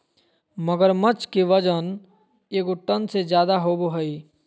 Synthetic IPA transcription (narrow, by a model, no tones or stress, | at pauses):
məɡəɾmət͡ʃkiʋɐd͡ʒən | eːɡʊʈːənsed͡ʒjaːd̪aɦoːboɦəiː